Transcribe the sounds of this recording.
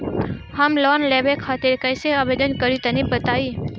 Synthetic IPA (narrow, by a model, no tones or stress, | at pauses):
ɦəmlɔːnleːʋekʰːaːt̪eɾkə̃seaːʋed̪ənkəɾit̪ənibət̪aːiː